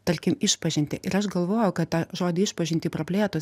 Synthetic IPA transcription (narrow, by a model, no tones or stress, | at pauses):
t̪ɐɾʲkʲɪmɪʃpɐʒʲɪnʲt̪ʲɪʔɪɾɐʃɡɐlˠʋoːjɛʊkɐt̪tɑːʒoːd̪ʲɪːɪʃpɐʒʲɪnt̪ʲɪːpɾɐpʲlʲeːt̪ʊs